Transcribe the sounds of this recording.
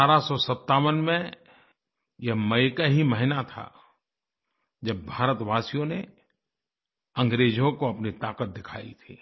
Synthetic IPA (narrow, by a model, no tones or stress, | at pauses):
aːɾasɔsɐt̪ːaːwənmẽ | jeɦmɐjkaɦiməɦɪnat̪ʰa̰ | d͡ʒɐbbʱaːɾət̪ʋaːsijõne | ɐ̃ŋɡɾeːd͡ʒõkoɐpnit̪aːqət̪̚d̪ɪkʰa̰ːḭt̪ʰiː